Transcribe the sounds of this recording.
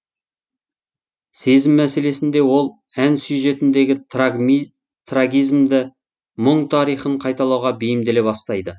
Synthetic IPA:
se̞zɪmːæse̞le̞sɪnd̪e̞wo̞lˠ | ænsujʒe̞t̪ɪnd̪e̞ɡʲɪ | t̪ʰraɡʲijzmd̪ɪ | mʊɴt̪ʰɑɾijχəɴqʰɑjt̪ɑlˠɑwʁɑbejɪmd̪e̞le̞bɑst̪ɑjd̪ə

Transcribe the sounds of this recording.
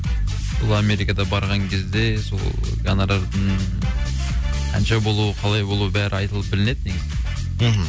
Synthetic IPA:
bʊlˠame̞ɾikɑd̪ɑbɑɾʁɑŋkʲʰe̞zd̪e̞so̰lˠ | ɡɑnɑɾɑɾd̪əɴ | qʰɑ̰nʃɑbo̞lˠuəqʰɑlˠɑjbo̞lˠuəbæɾɪɑjt̪əlˠəp̚bɪlɪne̞d̪nekʲz | ɦ

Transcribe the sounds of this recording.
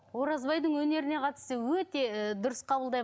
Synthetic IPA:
wo̞ɾɑzbɑjd̪əɴwɵne̞ɾɪneqʰɑt̪ə̥st̪əwɵt̪e̞d̪ʊɾəsqʰɑbəlˠd̪ɑj

